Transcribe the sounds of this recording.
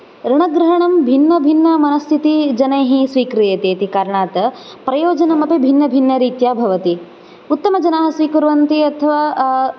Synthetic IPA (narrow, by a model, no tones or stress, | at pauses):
ɾiɳ̃ɐɡɾɐɦɐɳɐmbʱinːɐbʱinːɐmɐnɐst̪ʰit̪id͡ʒɐnɐjɦĩsʋiːkɾijɐt̪eːt̪ikaɾɐɳaːt̪ɐ | pɾɐjoːd͡ʒɐnɐmɐpibʱinːɐbʱinːɐɾiːt̪jaːbʱɐʋɐt̪i | ut̪ːɐmɐd͡ʒɐnaːɦɐsʋiːkuɾʋɐnt̪iɐt̪ʰɐʋaː